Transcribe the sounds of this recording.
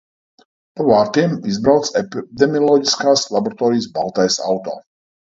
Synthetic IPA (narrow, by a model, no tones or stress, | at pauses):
pɔvaɾt̪ʰimizbɾawt̪sʰʼɛpid̪ɛmiɔlˠɔɡiskʰʼaslˠabɔɾat̪ʼɔɾiːsbalˠt̪ʰʼajsa̰ut̪ʼɔ̰